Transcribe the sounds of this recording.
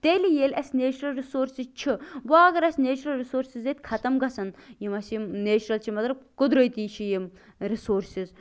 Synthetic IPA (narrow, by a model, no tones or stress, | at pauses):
t̪elijeːlʲɐsʲneːt͡ʃʰɾɐlɾisoːɾsizt͡ʃʰibaːɡɐɾɐsʲneːt͡ʃuɾɐlɾisoːɾsizet̪ʲkʰɐt̪ɐmɡɐsɐnjimɐsjimneːt͡ʃʰɾɐlt͡ʃʰimɐzɾɐkʊd̪ɾojt̪iːt͡ʃʰijim | ɾisoːɾsiz